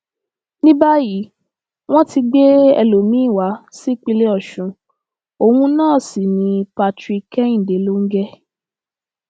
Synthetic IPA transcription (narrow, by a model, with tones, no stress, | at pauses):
nĩ˦ba˦ji˨˦ | w̃ɔ̃˦ti˧ɡ͡be˦ɛ̰˧lo˨mĩ˦˨wa˨˦si˦k͡pi˧le˦ɔ˦˨ʃũ˨˦ | o˧wũ˧nãː˦˨si˨nĩ˧pa˧tɾi˧kɛ˦ĩ˦˨de˨˦lo˦ŋ̩˦ɡɛ˦